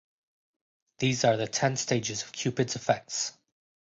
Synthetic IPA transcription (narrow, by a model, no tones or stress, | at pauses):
ðiːzəðətʰɛ̃nsteɪd͡ʒɪzəv̥kʰj̥ʉpɨdz̥ɪfɛk̚ts